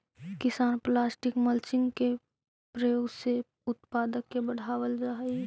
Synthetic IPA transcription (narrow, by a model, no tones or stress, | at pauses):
kɪsaːnplaːsʈɪkməlt͡ʃɪ̃ŋɡke | pɾəjoːɡse | ʊt̪paːd̪əkːebəɽ̤aːʋəld͡ʒaːɦi